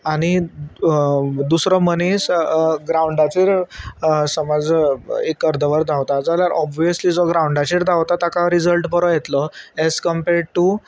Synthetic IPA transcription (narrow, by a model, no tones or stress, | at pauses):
aɽ̃i | d̪usɾɔmənesɡɾauɳɖat͡ɕiːɾ | səmad͡zekːəɾd̪əʋəɾd̪ʱawt̪ad͡zaljaɾʔɔbʋijəsliːd͡zɔɡɾauɳɖat͡ɕiːɾd̪awt̪at̪akaɾid͡zəlʈpəɾɔjet̪lɔɛskəmpeɾɖ̚ʈu